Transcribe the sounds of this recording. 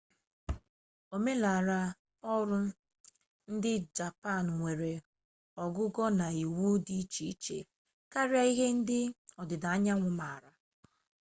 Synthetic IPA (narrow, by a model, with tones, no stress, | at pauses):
o˨me˦la˨a˨ɾa˦ | ɔ˦ɾʊ˦ | n̩˦dɪ˦d͡ʒa˨pa˦˨n˨ŋʷe˨ɾe˨ | ɔ˨ɡʊ˦ɡɔ˦na˨i˨wu˦di˦t͡ʃi˦t͡ʃḛ˨ | ka˦ɾa˦i˦ɦe˦n̩˦dɪ˦ɔ˨dɪ˨da˨a˦ɲa˦ŋʷʊ˦ma˨a˨ɾa˨